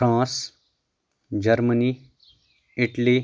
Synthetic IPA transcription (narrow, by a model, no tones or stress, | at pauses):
pɾãːs | d͡ʒɐɾməni | ɪʈli